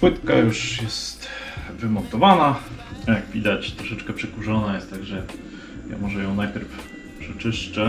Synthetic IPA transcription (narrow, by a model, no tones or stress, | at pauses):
wɘt̪ka̰juʂjɛst̪vɘmɔnt̪ɔvanajaɡvʲid̪at͡ɕt̪ɾɔʂɛt͡ʂkɛpʂɛkuʐɔnajɛst̪ːaɡʐɛ | ja̰mɔʐɛjɔ̃w̃najpʲjɛɾf | pʂɛt͡ʂɘʂt͡ʂɛ